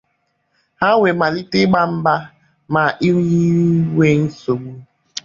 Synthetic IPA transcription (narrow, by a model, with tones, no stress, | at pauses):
ha˦wʷe˨ma˨li˦tɪ˦ɡ͡ba˦m̩˦ba˦ | ma˨ʔi˦ɲi˦we˦n̩˦so˨ɡ͡bu˦